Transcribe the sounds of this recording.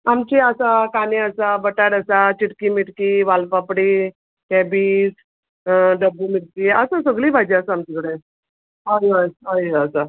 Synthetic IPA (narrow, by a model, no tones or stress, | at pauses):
amt͡ɕiasakaniəsabəʈaɽəsat͡ɕiʈkimiʈkiʋalpapɽi | kɛbiːs | ɖəbːumiɽkiːəsãsəɡliːbʱajd͡ʑeəsaamt͡ɕikəɽe | ɦajaɦajəsa